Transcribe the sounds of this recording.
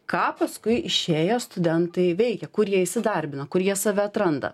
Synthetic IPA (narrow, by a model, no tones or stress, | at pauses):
kɑːpɐskʊɪʔɪʃʲeːjoːst̪ʊd̪ʲɛnt̪ɐɪʋʲɛɪkʲɛkʊɾjiɛɪʃʲsʲɪd̪ɐɾʲbʲɪnɐkʊɾjiɛsɑːʋʲɛɐt̪ɾɐnd̪ɐ̰